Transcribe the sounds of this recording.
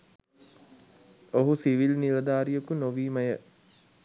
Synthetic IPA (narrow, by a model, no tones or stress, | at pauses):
oɦusiʋilniʋəd̪aːɾijəkunoʋiːməjə